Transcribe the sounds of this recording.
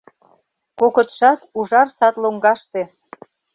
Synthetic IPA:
kokət̪ʃɑt̪uʒɑrsɑt̪loŋɡɑʃt̪e

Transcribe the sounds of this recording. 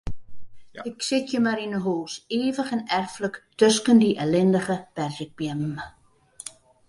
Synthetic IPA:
ɪksɪtjəmaɾinəɦoːseːvəχɛnɛrfləktøskəndiʔɛlɛndəχəpɛrzək̚bjɛm

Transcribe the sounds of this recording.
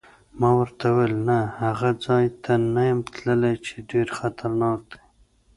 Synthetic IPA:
mɑwəɾt̪awelnahaɣad͡zɑjt̪ʰanajamt̪ləlat͡ʃeɖeɾxat̪ʰaɾnɑk̚d̪e̥

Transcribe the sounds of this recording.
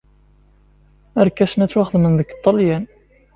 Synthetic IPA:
əɾkːæʃənæt͡sːwæχəðmənðəkːt̪ˤːɑljæn

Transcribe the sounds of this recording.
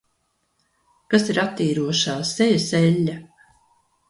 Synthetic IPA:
kasiɾat̪ːiːɾuɔʃaːsɛjasɛlʲːa

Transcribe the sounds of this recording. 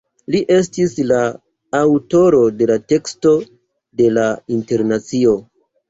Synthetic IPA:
liʔe̞stislaː | wto̞ɾo̞de̞late̞ksto̞ | de̞lainte̞ɾnat͡sio̞

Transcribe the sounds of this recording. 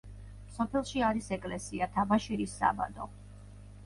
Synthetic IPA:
msɔpʰɛlˠʃiaɾisɛkʼlɛsiat̪ʰabaʃiɾisːa̰ba̰d̪ɔ̰

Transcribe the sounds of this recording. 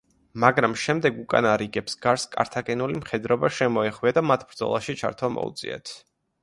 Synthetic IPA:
maɡɾamʃɛmd̪ɛɡukʼa̰naɾiɡɛpsɡaɾskʼa̰ɾt̪ʰakʼɛnulimχɛd̪ɾɔbaʃɛmɔɛχwiad̪amat̪ʰb̥ɾd̪zɔ̰lˠaʃit͡ʃʰa̰ɾt̪ʰwamɔ̰ṵt̪sʼḭɛ̰t̪ʰ

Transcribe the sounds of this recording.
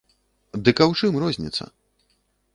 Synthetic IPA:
d̪ɨkɐwt͡ʂɨmrɔzʲnʲḭt̪sːɐ̰

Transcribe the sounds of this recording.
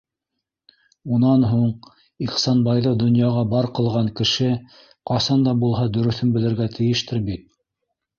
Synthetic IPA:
unɑnɦuɴ | iχsɑnbɑjlˠɤd̪ŏnjɑʁɑbɑɾqɤ̆lˠʁɑŋkɘ̆ʃɘ | qɑsɑnd̪ɑbulˠɦɑd̪ɵ̆ɾɵ̆θɵnbɘ̆lɘ̆ɾɡæt̪ʰɘ̆jɘ̆ʃt̪ɘɾbit̪̚

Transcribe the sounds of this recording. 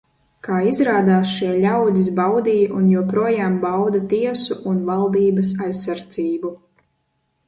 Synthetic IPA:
kaːizɾaːd̪aːsʃiɛlʲawd̪ʲis̬bawd̪iːjʔunjuɔpɾuɔjaːmbawd̪at̪iɛsuʔunvalˠd̪iːbɐs̬ajsːaɾd̪ziːbu

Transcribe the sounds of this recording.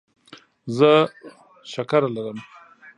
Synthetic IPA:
zə | ʃakaɾalaɾəm

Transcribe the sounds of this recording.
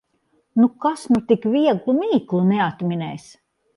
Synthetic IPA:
nukasnut̪ikvʲiɛɡlˠumiːklˠunɛat̪mʲinɛjs

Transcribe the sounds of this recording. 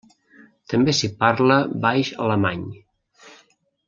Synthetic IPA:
t̪əmbesipaɾləbajʃə̰ləmaɲ

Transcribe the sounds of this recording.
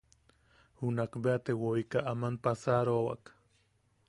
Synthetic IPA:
hunakbeat̪ewoikaʔamanpasaɾowa̰k

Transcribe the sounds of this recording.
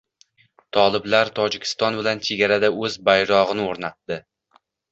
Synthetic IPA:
t̪ʰɒlˠɪblaɾt̪ʰɒd͡ʒɪkʲʰɪ̥st̪ɒnbɪlant͡ʃʰe̞ɡʲaɾad̪aɵzbajɾɒʁɨnɪoɾnat̪ːdɪ

